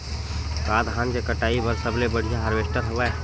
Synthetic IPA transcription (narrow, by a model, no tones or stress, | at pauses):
kaːd̪ɦaːnkekəʈaːipəɾsəblebəɽ̤ijaɦəɾʋeːʃʈ̪əɾɦoʋa